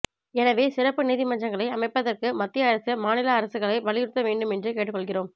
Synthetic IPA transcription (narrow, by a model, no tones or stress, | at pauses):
ɛnɐʋeːsɪrɐpːɯniːðɪmɐɲd͡ʒɐŋɡɐɭɐɪɐmɐɪpːɐðɐrkɯmɐt̪ːɪjɐɐɾɐsɐmaːnɪlaːɾɐsɯɣɐɭɐɪʋɐɭɪjɪɾɯt̪ːɐʋeːɳɖɯmɛndrɯkeːʈːɯkːɔɭɣɪroːm